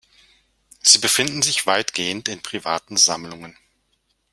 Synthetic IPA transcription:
z̥iːbəfɪndn̩zɪçv̥aɪtɡ̥eːəntɪnpʁ̥ivaːtn̩zamlʊŋən

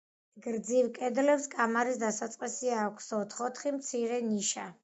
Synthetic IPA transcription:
ɡɾd̪zivkʼɛd̪lɛpskʼamaɾisd̪asat̪sʼqʼisiakʰsɔt̪ʰχɔt̪ʰχimt̪sʰiɾɛniʃa

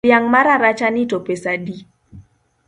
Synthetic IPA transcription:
jaŋmaɾaɾat͡ʃanitopesadi

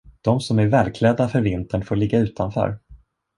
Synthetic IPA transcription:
d̪̥ɔmsɔmæɾvɛːlkʰlɛd̪ːafœɾvɪnt̪ʰəɳfoːɭɪɡːaʉ̟ːt̪ʰanfœ̰ːɾ

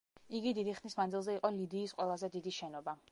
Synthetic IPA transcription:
iɡid̪id̪iχnismand̪zilˠzɛiqʼɔlid̪iːsqʼwɛlˠazɛd̪id̪iʃɛnɔba

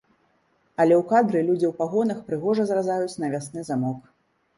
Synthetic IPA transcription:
ɐlʲɛwkad̪ɾɨlʲud͡zʲiwpaɣɔnɐxpɾɨɣɔʐɐzrazajut͡sʲn̪ɐvʲasnɨzamɔk

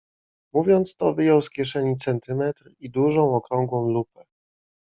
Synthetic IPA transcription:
muvʲjɔnt̪st̪ɔvɘjɔwskʲjɛʂɛɲit̪sɛnt̪ɘmɛt̪ɾid̪uʐɔ̃w̃ɔkɾɔŋɡwɔ̃w̃lupɛ

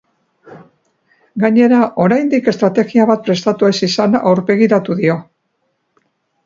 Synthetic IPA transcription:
ɡaɲe̞ɾaʔo̞ɾajnd̪ike̞st̪ɾat̪e̞ɣiaβat̪̚pɾe̞st̪at̪ue̞sisana̰wɾbe̞ɣ̞iɾat̪uðio̞

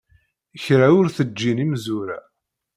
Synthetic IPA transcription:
əçɾaʊɾθəd͡ʒːinimzuɾa̰

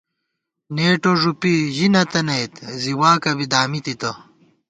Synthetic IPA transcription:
neːʈoʐupiʑinɐt̪ɐnɐjt̪ziwaːkɐbid̪aːmit̪it̪ɐ

